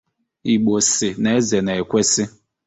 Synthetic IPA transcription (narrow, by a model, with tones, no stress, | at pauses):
i˨ɡ͡bo˨sɪ˨ne˦ze˨ne˨e˨kʷe˦sɪ˦